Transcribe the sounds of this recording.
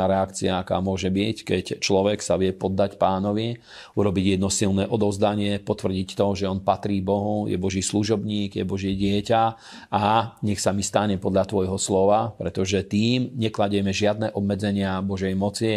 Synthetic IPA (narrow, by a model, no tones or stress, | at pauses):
aɾɛakt͡siaaka̰ːmʊɔʒɛbickɛct͡ʃlɔʋɛksaʋɪɛpɔd̪ːacpaːnɔʋi | uɾɔbiɟjɛd̪nɔsilnɛːʔɔd̪ɔʊzd̪aɲɪɛpɔt̪ʋr̩ɟict̪ɔʒɛɔnpat̪ɾiːbɔɦujɛ̰bɔʒiːsluʒɔbɲiːɡjɛbɔʒɪɛɟɪɛca | aɲɛxsamist̪aɲɛpɔd̪ʎat̪ʋɔjɦɔslɔʋapɾɛt̪ɔʒɛt̪iːmɲɛklaɟɛmɛʒɪad̪nɛːʔɔbmɛd͡zɛɲɪabɔʒɛjmɔt͡si